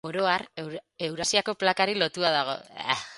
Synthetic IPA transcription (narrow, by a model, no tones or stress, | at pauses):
oɾo̞aɾe̞wɾasiako̞plakaɾilo̞t̪uaðaɣ̞o̞̰a̰